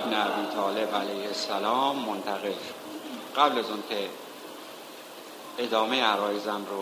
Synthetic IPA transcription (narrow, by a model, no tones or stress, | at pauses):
bneæbiːt̪ʰɒːle̞bælæjhesælɒːmːont̪ʰæɣelʃo̥ɢæblæzɒːnkʰe | ed̪ɒːmejeæɾɒːjezænɾo